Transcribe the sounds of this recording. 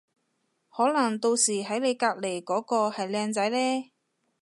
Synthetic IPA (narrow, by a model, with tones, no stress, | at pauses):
hɔː˨˥lɐ˨˩ŋt̪o˧wsiː˨˩ɦɐ˨˥jle˨˧jkaː˧k̚le˨˩jkɔː˨˥kɔː˧hɐ˨jlɛː˧ŋt͡sɐ˨˥jlɛː˥